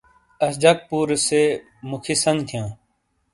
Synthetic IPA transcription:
əsd͡ʒaːk̚puːɾseː | mʊkʰiːsə̃ŋɡt̪ʰɪjãː

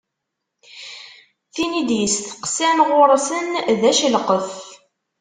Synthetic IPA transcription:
θinid̪jəsθə̥qsænʁʊɾˤsənðæʃəlqəf

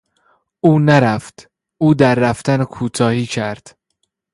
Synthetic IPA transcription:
ʔuːnæɾæft̪ | ʔuːd̪æɾːæft̪ænkʰuːt̪ʰɒːhiːcʰæɾd̪̥

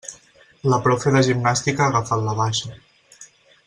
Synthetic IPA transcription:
ləpɾɔfeðəʒimnast̪ikaːɣafat̪ləβaʃə

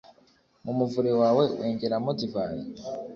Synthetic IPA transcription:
mumuvuɾewaːwe̞weːɲɟeɾamodivaːɾi

